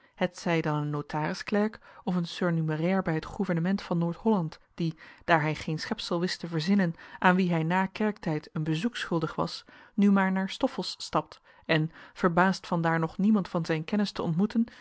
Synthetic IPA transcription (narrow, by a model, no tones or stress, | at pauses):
hətsɛjdɑnənːowtʰaːrɪsklɛɹkɔfənsøɹnymərɛːɹbɛjɦətχuvəɹnəmɛntfɑnːoːɹtɦɔlɑntd̥id̥aːɹɦɛjχejnsχɛpsəlˠʋɪstəvəɹzɪnənʔaːnʋiɦɛjnaːkɛɹk̚tɛjtənbəzuksχɵlˠdəχʋɑ̰s | nymaːɹnaːɹstɔfəlˠsːtɑp̚t | ɛnv̥əɹbaːstfɑndaːɹnɔχnimɑntfɑnzɛjnkɛnɪstəɔ̰ntmutən